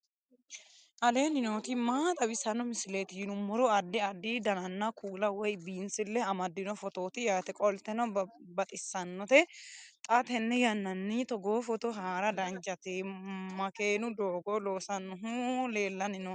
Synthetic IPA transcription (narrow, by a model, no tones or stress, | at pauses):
ʔɐle̞ːnɪnot̪ɪmaːt̪ʼɐbɪsɐnːɔmɪsɪlet̪ɪjnʊmɔɾɔɐd̪ːɪɐd̪ːid̪ɐnɐnːɐkʰuːlɐwɔjbiːnsɪlːɛɐmɐd̪ːɪnɔfɔt̪oːt̪ɪjaːt̪ɛkʼɔlt̪ːɛnɔbɐt̪ʼɪsːɐnːɔt̪ɛt̪ʼɐt̪ɛnːɛjɐnːɐnːɪt̪ɔɡoːfɔt̪ɔɦaːɾɐd̪ɐnt͡ʃʼɐt̪ɛmɐkeːnʊd̪oːɡɔloːsɐnːɔɦʊleːlːɐnɪnɔ